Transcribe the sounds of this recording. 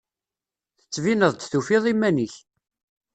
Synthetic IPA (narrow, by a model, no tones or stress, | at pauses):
θə̥t͡sːvinəðˤt̪θufiðˤimːæniç